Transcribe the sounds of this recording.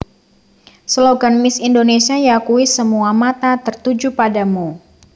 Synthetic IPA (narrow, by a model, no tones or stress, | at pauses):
sloɡanmɪsindonesiajakuisəmuamat̪at̪ərt̪ud͡ʒupadamu